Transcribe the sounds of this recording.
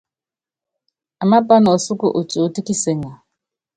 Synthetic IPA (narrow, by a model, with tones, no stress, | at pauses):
a˨ma˦pʼa˦nɔ˨o˨su˦ku˦ʔu˨t͡ʃʼi˨u˨ti˦ki˦sɛ˨˦ŋa˨